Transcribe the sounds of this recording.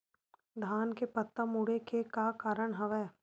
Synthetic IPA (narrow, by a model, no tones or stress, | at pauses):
d̪ʱaːnkepət̪ːamuɽekekakaːɾəɽ̃ɦɐʋɛː